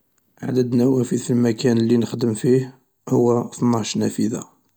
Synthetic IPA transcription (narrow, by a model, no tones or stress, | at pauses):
ʔa̰d̪əd̪næwæfiðəlmækænlːinəxd̪əmfih | hʊwːæθnːɑʃnæfiða̰